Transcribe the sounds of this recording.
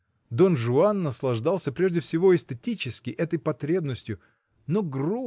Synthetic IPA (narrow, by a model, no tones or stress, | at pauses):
d̪o̞nʐʊanːəslˠɐʐd̪alˠsʲəpɾʲe̞ʐdʲɪfsʲɪvo̞ɪst̪ɪtʲit͡ɕɪskʲɪʔɛt̪əjpɐt̪ɾʲe̞bnəsʲtʲjʊ | noɡru